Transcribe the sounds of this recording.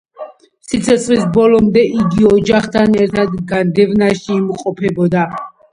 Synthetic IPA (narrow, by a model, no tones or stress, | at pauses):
sit̪sʰɛt̪sʰχlisbɔlɔmd̪ɛʔiɡiɔd͡ʒaχt̪ʰanɛɾt̪ʰad̪ɡand̪ɛvnaʃiːmqʼɔpʰɛbɔd̪a